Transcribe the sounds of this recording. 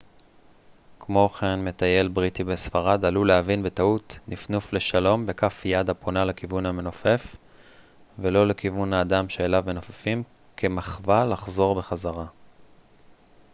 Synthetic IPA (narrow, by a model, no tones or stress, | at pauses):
kmoχenme̞t̪aje̞lbʁitibesfaʁad̪alulehavinbe̞tautnifnufle̞ʃalo̞mbe̞kafjadaponalekivunhame̞no̞fe̞f | velo̞le̞kivunaːdamʃeːlavmeno̞fḁfim | ke̞maχvalaχzo̞ʁbe̞χazaʁa